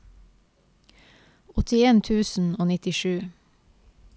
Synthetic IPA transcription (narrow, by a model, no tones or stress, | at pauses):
ɔt̪ʰɪeːnt̪ʰʉːsn̩oːnɪt̪ɪʃʉː